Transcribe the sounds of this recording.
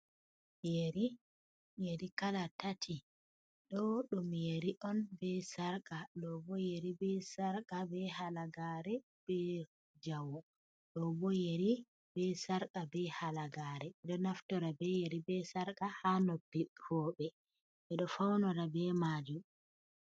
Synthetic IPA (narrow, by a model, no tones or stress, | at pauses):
jeɾi | jeɾikalatatʰi | ɗɔɗumjeɾiʔɔnbɛsaɾkaɗɔbɔjeɾibɛsaɾkabɛhalaɡaɾɛ | b̥ɛ | d͡ʒawɔ | ɗɔbɔjeɾi | bɛsaɾkabɛhalaɡaɾɛɗɔnaftɔɾabɛjeɾibɛsaɾkahanopːihɔbɛ | ʔɛɗɔfawnɔɾabɛmad͡ʒu